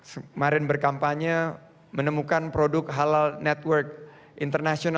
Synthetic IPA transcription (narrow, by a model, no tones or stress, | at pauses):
səmaɾɪnbərkampaɲə | mənəmukanpɾodʊkɦalalnɛt̪wərk̚ | ʔint̪ərnasiona